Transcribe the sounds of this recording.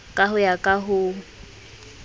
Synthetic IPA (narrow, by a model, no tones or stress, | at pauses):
kʼaɦʊjakʼaɦʊ